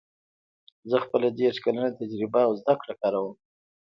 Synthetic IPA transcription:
zəxpəlad̪eʂkalanat̪ad͡ʒɾɪbaːwzd̪akɽakɑɾawəm

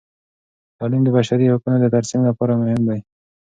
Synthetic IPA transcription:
t̪ɑlimd̪əbaʃaɾihʊkunod̪ət̪aɾsimlapɑɾamʊhɪmd̪aj

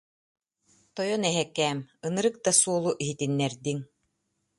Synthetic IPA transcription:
t̪ɔjɔnɛɦɛkːɛːmɯnɯɾɯk̚d̪asuɔlˠuʔiɦit̪inːɛɾd̪iŋ

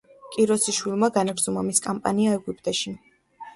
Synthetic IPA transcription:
kʼiɾɔsiʃwilˠmaɡanaɾzumamiskʼampʼa̰niaɛɡupʼt̪ʼɛʃi

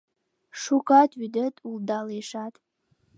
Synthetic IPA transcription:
ʂukʰatʰʼɥydətʼuldaleʂatʼ

